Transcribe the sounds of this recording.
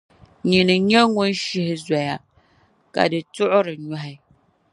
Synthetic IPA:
ɲi˨nɨ˨ɲɛ˦ŋʊ˦nʃɪ˦hɪ˦za˨ja˨ | ka̰˨dɨ˨tʊ˦ʔʊ˦ɾɨ˨ɲa˦ɦɪ˦

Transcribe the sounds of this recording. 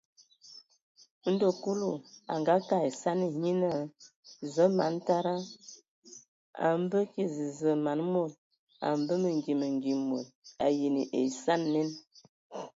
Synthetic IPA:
n̩˦do˦˨ku˦lu˨a̰˨ŋɡa˦ka˦˨e˨sa˦ni˨ɲi˦na˦˨ | zə˦ma˨˦n˦ta˦ɾa˦ | a̰˨m̩˦bə˦ki˦zi˨zə˨ma˨nmo˦˨l | a̰˨m˦bə˦mə˨ŋ˨ɡi˨mə˨ŋ˨ɡi˨mo˨la˨je˨ni˨ʔḛ˨sa˦nːe˦n

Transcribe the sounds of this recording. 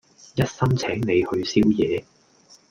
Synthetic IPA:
jɐ˥t̚sɐ˥mt͡sʰɛː˨˥ŋne˨˧jhɵ˧ɥsiː˥wjɛː˨˧

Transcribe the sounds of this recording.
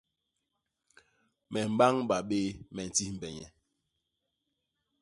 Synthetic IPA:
mɛ˨m̩˨ɓa˦ŋɓa˨ɓe˦mɛ˨n̩˨ti˦m̩˨bɛ˨ɲɛ̰˨

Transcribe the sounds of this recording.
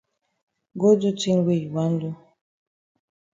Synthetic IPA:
ɡo˦du˦ti˦nwe˦˨ji˨wa˦n˦du˦

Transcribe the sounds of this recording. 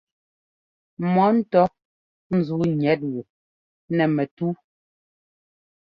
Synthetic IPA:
mɔ˨˦n̩˦tɔ˦ | n̩˨zu˨˦ɲɛ˨˦t̬̚wu˨ | nɛ˨mɛ˨tu˦

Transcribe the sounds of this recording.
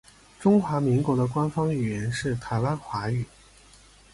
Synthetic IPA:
ʈ͡ʂʊ˥ŋxwa˧˥mi˧˥ŋkwɔ˧˥d̪ə˧kwa˥nfɑ˥ŋy˥˩ɥɛ˧˥nʂɻ̩˥˩t̪ʰa˧˥ɪwa˥nxwa˧˥y˨˩˦

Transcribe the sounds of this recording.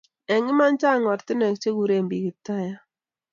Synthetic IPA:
ɛ˨ŋɪ˦ma˦nt͡ʃa˦˨ŋwɔ˨ɾtɪ˦nɛ˨k̚t͡ʃe˦ku˨ɾe˨mbi˨ki˨ta˦ja˦

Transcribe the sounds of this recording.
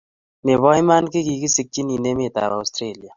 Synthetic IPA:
ne˨βɔ˦jma˦nkɪ˦ɡi˨ki˦si˦k̚t͡ʃi˦ni˨ne˦me˦˨t̪a̰˨ɾa˨stɾe˦li˨a˨

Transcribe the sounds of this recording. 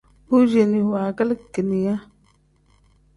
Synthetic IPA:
hu˦d͡ʒe˨ni˨hwa˨ka˦lkːə˨ni˨ja˦

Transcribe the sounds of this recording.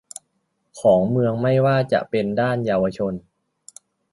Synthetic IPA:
kʰɔː˩˦ŋmɯ˧əŋma˥˩jwaː˥˩t͡ɕa̰˨˩ʔpe˧ndaː˥˩njaː˧wa˧t͡ɕʰo˧n

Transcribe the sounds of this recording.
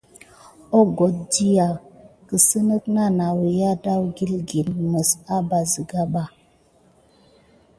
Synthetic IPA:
ɔ˦ɡɔ˨t̚di˦ja˨kə˨sə˦nə˦kna˦na˨wə˨ja˦da˦wɡi˦lɡi˨nmə˨sa˦ba˨zi˨ɡa˦ɓa˦˨

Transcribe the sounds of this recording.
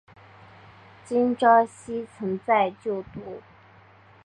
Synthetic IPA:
t͡ɕi˥nʈ͡ʂɑ˥ʊɕi˥t͡sʰɤ˧˥ŋt͡sa˥˧ɪt͡ɕjo˥˩ʊt̪u˧˥

